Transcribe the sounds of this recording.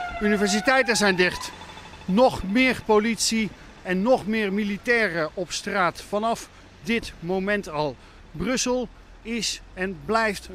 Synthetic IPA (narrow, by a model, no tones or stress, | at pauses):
ynivɛɹsitɛjtəzɛjndɪχt | nɔχmɪːrpolitsi | ɛnːɔχmɪːɹmilitɛːrəʔɔpstraːtfɑnɑf | dɪtmowmɛntɑlˠ | brɵsəlˠ | ɪsɛnblɛjft